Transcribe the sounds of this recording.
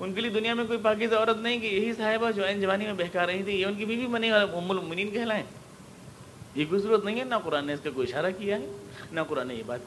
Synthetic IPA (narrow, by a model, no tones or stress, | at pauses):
ʊnkelied̪ʊnijamẽkoːipaːk̬is̬eɔːɾət̪nɐɦĩkijɐɦisaːɦɪbad͡ʒoɛnd͡ʒɐʋaːnimẽbɛɦkaːɾɐɦĩt̪ʰĩjeʊnk̬ibʱibʱimɐnːiʋaːlamʊmːʊlmʊmɪnĩːnkɐɦɛlaɦɛː | jekoːizɐɾuːɾət̪nɐɦĩɦɛnɐqʊɾaːnːeɪskakoːiɪʃaːɾakijaɦɛːnɐqʊɾaːnːḛjeba̰ːt̪̚